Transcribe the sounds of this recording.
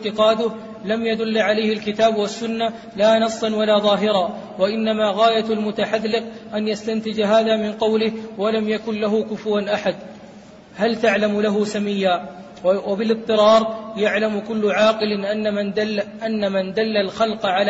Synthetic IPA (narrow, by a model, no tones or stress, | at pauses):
t̪ɪqɑːd̪ʊh | lamjad̪ʊlːʕalajhɪlkɪt̪aːbwasːʊnːa | laːnɑsˤːɑnwalaːðˤɑːɦɪɾɑː | waʔɪnːamaːɣaːjalmʊt̪aħaðːɪq̚ʔanjast̪ant̪ɪd͡ʒaɦaːðaːmɪnqɑwlɪhwalamjakʊnlaɦʊkʊfwanʔaħad̪ | halt̪aʕlamlaɦʊsamɪjːaː | wabɪlɨb̚t̪ˤːɨɾɑːɾˤjaʕlamkʊlːʊʕɑːqɨlɪʔ | ʔanːamand̪alːalxɑlqʕal